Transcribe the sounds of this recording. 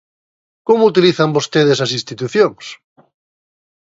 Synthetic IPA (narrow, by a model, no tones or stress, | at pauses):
komout̪iliθambost̪eð̞esasĩnst̪it̪uθjoŋs